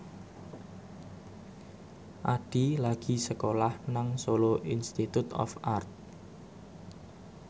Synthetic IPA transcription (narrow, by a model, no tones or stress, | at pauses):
ʔaɖ̥ilaɡ̥i̤səkolahnaŋsoloʔinst̪it̪ut̪ɔ̰fart̪̚